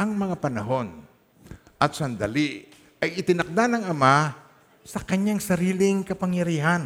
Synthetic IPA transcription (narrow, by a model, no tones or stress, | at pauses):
ɐŋmɐŋapɐnɐɦo̞n | ʔɐt̪sɐnd̪ɐli | ɐjɪt̪ɪnɐk̚d̪anɐŋɐma | sɐkɐɲaŋsɐɾiːlɪŋkɐpɐŋjɐɾiːɦan